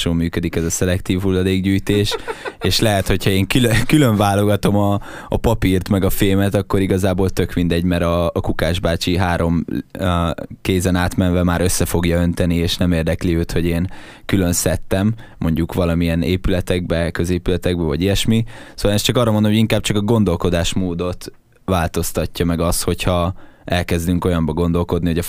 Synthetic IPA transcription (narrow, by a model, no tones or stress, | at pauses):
ʃoːmmyːkød̪ikɛzɒsɛlɛkt̪iːvɦulːɒd̪eːɡɟyːjt̪eːʃeːʃlɛɦɛt̪ho̞chɒeːŋkylkyløɱvaːlo̞ɡɒt̪o̞mɒː | pɒpirt̪mɛɡɒfeːmɛt̪ɒkːo̞ɾiɡɒzaːboːlt̪ø̞kmind̪ɛɟmɛɾɒːkukaːʒbaːt͡ʃiɦaːɾo̞m | keːzɛnaːt̪mɛnvɛmaːɾø̞sːɛfo̞ɡjɒø̞nt̪ɛnieːʃnɛmeːrd̪ɛkliøːt̪ho̞ɟeːn | kylø̞nsɛt̪ːɛmː | o̞ɲɟukʋɒlɒmiɛneːpylɛt̪ɛɡ̚bɛkøzeːpylɛt̪ɛɡ̚bɛvɒɟijɛʃmisoːvaːlɛst͡ʃɒkɒːrːɒmond̪omɦɟiŋkaːb̚t͡ʃɒkɒɡo̞nd̪o̞lko̞d̪aːʃmoːd̪o̞t̪ | ʋaːlt̪o̞st̪ɒcːɒmɛɡɒsho̞chɒɛlkɛzd̪yŋko̞jɒmbɒɡo̞nd̪o̞lko̞d̪niho̞ɟɒ